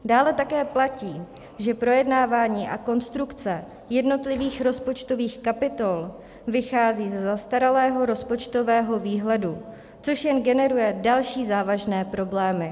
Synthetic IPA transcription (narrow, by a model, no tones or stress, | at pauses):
daːlɛt̪akɛːplaciː | ʒɛpɾo̞jɛdnaːvaːɲiːʔako̞nst̪ɾukt͡sɛ | jɛdno̞t̪lɪviːxɾo̞spo̞t͡ʃt̪o̞viːxkapɪt̪o̞l | vɪxaːziːzɛzast̪aɾalɛːɦo̞ɾo̞spo̞t͡ʃt̪o̞vɛːɦo̞viːɦlɛdu | t͡so̞ʃjɛnɡɛnɛɾujɛdalʃiːzaːvaʒnɛːpɾo̞blɛːmɪ